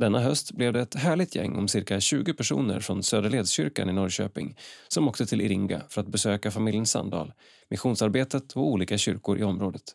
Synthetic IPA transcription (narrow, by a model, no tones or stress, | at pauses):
d̪ɛnːaɦœst̪blɛvd̪ɛːt̪ɦæːɭɪɡ̚t̪ʰjɛ̰ŋːɔ̰msɪɾkaɕʉ̟ːɡʊpʰæʂṵːnə̰ɾfɾɔnsøːd̪əɭeːd̪sɕʏɾka̰nɪnɔɾɕø̰ːpɪŋsɔmɔkt̪ət̪ʰɪlʔɪɾɪŋɡa̰fœɾat̪̚bɛsøːkafamɪljənsːa̰nd̪ɑ̰ːl | mɪɧuːnsaɾbeːt̪ət̪ʰɔuːliːkaɕʏɾkʊɾʔɪɔmɾoːd̪ət̪